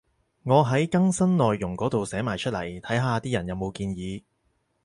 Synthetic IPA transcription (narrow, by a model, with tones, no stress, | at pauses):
ŋɔː˨˧ɦɐ˨˥jkɐ˥ŋsɐ˥nlɔː˨jːʊ˨˩ŋkɔː˨˥t̪o˨wsɛː˨˥maː˨jt͡ʃʰɵ˥t̚lɐ̰˨˩jt̪ʰɐ˨˥jɦaː˨˧t̪iː˥jɐ˨˩njɐ˨˧wmo˨˧wkiː˧njiː˨˧